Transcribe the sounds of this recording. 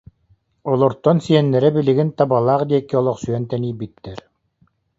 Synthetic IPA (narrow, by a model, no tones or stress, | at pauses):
ɔlˠɔɾt̪ɔnsiɛnːɛɾɛbiliɡint̪abalˠaːχd̪iɛkːiɔlˠɔχsyœnt̪ɛniːbit̪ːɛɾ